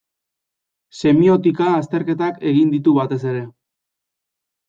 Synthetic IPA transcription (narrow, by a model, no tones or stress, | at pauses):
se̞mio̞t̪ikaːst̪e̞ɾke̞t̪ake̞ɣind̪it̪uβat̪e̞se̞ɾe̞